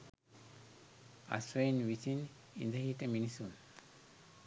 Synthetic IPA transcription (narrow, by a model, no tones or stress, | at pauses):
a̰sʋɐinʋisin | ḭnd̪əɦiʈəminisun